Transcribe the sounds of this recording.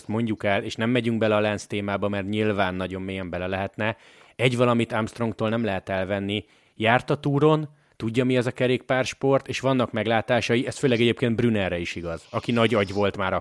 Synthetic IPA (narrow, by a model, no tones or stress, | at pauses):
st̪mo̞ɲɟukɛleːʃnɛmːɛɟyŋɡ̚bɛlɛɒlɛnst̪eːmaːbɒmɛrɲilvaːnːɒɟo̞mːeːjɛmbɛlɛlɛɦɛt̪nɛ | ɛɟvɒlɒmit̪amst̪roŋt̪oːlnɛmlɛɦɛt̪ɛlvɛnːi | jaːrt̪ɒt̪uːɾo̞n | t̪uɟːɒmiɛzɒkɛɾeːk̚paːrʃpo̞rt̪eːʃʋɒnːɒkmɛɡlaːt̪aːʃɒjiɛsføːlɛɡɛɟeːpkeːnd̪brynɛrrɛiʃiɡɒzɒkinɒɟɒɟʋo̞lt̪maːɾɒ